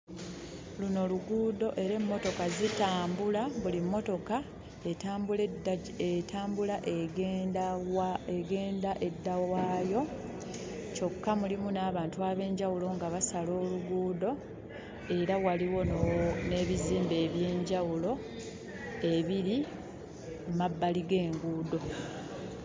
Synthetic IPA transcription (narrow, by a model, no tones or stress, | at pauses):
luno̞luɡuːdo̞ʔe̞ɾe̞mːo̞to̞kazitaːmbulaβulimːo̞to̞ka | eamu | etʰaːmbulaʔe | eɡe̞ːndaʔe̞dːawaːjo̞ | t͡ʃo̞kːamulimunaːβaːntuaːβe̞ːɲɟawulo̞ŋɡaβasalo̞ːluɡuːdo̞ | e̞ɾawaliwo̞nne̞ːβiziːmbe̞ːβje̞ːɲɟawulo̞ | e̞βiɾi | mabːaliɡe̞ːŋɡuːdo̞